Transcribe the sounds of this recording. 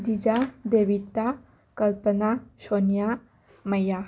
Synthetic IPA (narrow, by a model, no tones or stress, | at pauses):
d̪id͡ʑad̪eʋit̪a | kəlpənaɕonija | məja